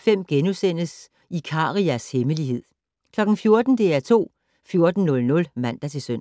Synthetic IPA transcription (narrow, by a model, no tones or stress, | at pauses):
fem̰ɡ̥enusen̰əs | ikʰɑ̈ːʁiæsheməliɦe̝ð̰ˠ | kʰlɒ̽ɡ̥n̩fjo̝ɐd̥n̩d̥e̝æɐt͡sʰo̝̰ː | fjo̝ɐd̥n̩nːɔ̽lnɔ̽lmæn̰d̥æt͡sʰe̝lsøn̰